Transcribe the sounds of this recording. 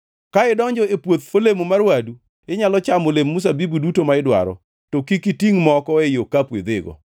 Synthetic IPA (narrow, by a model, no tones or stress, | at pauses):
kaɪdɔɲd͡ʒɔepwot̪olemomarwadu | ɪɲalɔt͡ʃamolemːus̬abibudutomaɪdwa̰ɾɔ̰ | tokikitiŋmɔkɔɛjokapwḛd̪eɡɔ̰